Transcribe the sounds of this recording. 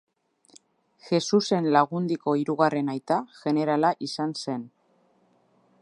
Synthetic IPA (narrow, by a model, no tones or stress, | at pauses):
xe̞suse̞nlaɣ̞und̪iko̞iɾuɣare̞najt̪aʝe̞ne̞ɾalaʔisanse̞n